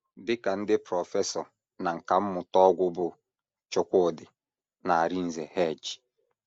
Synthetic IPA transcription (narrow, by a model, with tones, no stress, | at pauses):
dɪ˦ka˨n̩˦dɪ˦pɾɔ˨fɛ˦sɔ˨ | na˨ŋ̩˨ka˨m̩˦mʊ˨tɔ˦ɡʷʊ˦bʊ˦˨ | t͡ʃʊ˨kʷʊ˦˨dɪ˨ | na˨a˨ɾi˦n̩˨ze˨hɛ˦˨d͡ʒi̥˨